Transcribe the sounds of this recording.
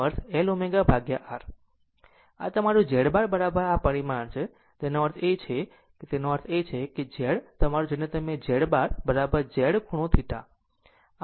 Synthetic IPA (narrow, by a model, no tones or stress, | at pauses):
əɾt̪ʰɛlomeɡabʱaɡjaʔaɾ | a̰t̪əmaɾũd͡ʒeɽbaɾbəɾabəɾapəɽimaɳt͡ʃʰe | t̪enoʋəɾt̪ʰet͡ʃʰe | ket̪enoʋəɾt̪ʰet͡ʃʰeked͡ʒɛɽt̪əmaɾũd͡ʒenet̪əmed͡ʒɛɽbaɾbəɾabəɾd͡ʒɛɽkʰuɽ̃ũt̪ʰiʈ̪a̰